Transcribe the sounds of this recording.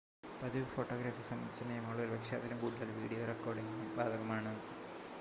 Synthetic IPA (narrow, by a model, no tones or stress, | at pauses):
pɐðiʋɐfoːʈːoːɡɾaːfisɐmːɐ̰d̪i̥t͡ɕːɐnːɐɐmɐŋːɐɭoɾubekʂaːd̪ɐlɐmɡuːd̪ɐlʋiːɽijoːrɐkːoːɽiŋumbaːd̪ɐɣɐmaːɳɨ